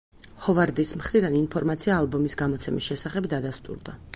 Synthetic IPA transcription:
hɔvaɾd̪ismχɾid̪aninpʰɔɾmat̪sʰiaːlˠbɔmisɡamɔt̪sʰɛmisʃɛsaχɛbd̪ad̪ast̪ʼṵɾd̪a

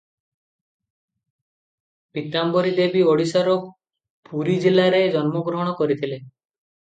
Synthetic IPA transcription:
pit̪ambɔɾid̪ebioɽisaɾɔ | puɾid͡ʒilaɾed͡ʒɔnmɔɡɾɔɦɔɽ̃ɔkɔɾit̪ʰile

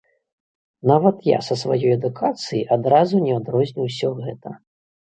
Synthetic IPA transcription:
navɐt̪ja̰sɐsva̰jɔjɛd̪ukʰat̪sɨjiʔad̪ɾazunʲɛad̪ɾɔzʲnʲiws̬ʲɔɣɛt̪ɐ

